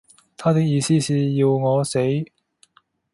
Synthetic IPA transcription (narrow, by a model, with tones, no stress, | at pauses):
t̪ʰaː˥t̪ɪ˥k̚jiː˨˧siː˥siː˨jiː˧wŋɔː˨˧se˨˥j